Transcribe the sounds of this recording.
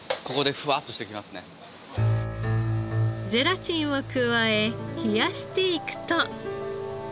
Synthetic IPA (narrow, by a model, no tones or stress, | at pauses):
ko̞ko̞d̪eɸɯ̟at̪ːo̞ɕi̥t̪e̞kʲimasɨne̞̰ | d͡ze̞ɾat͡ɕĩɰ̃okɯ̟βae̞çijaɕi̥t̪e̞ikɯ̟̥t̪o